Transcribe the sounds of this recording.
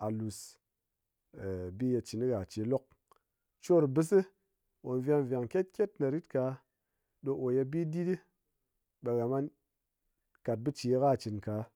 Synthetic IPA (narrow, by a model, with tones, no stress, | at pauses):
a˨lu˨s | bi˦je˧t͡ʃi˨ni˦ɣa˨t͡ʃi˨˦lo˦k̚ | t͡ʃo˦˨ɾbɨ˦s̬ɨ˦ | wo˨n˨vja˧ŋ˨vʲa˨ŋkʲe˦t̚kʲe˦tna˨ɾi˦tka˨˦ | ɗo˧ʔo˨je˧bi˦di˦di˦ | ɓe˧˨ɣa˨ma˦n | ka˨t̚bɨ˦t͡ʃi˨jɣa˦˨t͡ʃi˨nka˨˦